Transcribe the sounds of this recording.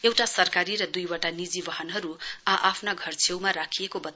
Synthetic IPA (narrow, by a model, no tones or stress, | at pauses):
ewʈasʌrkaɾiɾʌd̪ujwaʈanid͡zibʌɦʌnɦʌɾuaʔapʰnaɡʱʌrt͡sʰewmaɾakʰijekobʌt̪